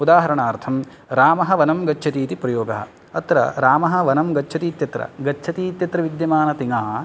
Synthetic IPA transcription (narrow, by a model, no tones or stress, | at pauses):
ud̪aːɦɐɾɐɳaːɾt̪ʰɐm | ɾaːmɐɦɐʋɐnɐmɡɐt͡ʃːʃʰɐt̪iːt̪ipɾɐjoːɡɐɦɐ̰̆ | ɐt̪ɾɐ̰ɾaːmɐɦɐ̆ʋɐnɐmɡɐt͡ʃːʃʰɐt̪iːt̪jɐt̪ɾɐ̰ɡɐt͡ʃːt͡ʃʰɐt̪iːt̪jɐt̪ɾɐʋid̪jɐmaːnɐt̪iŋaː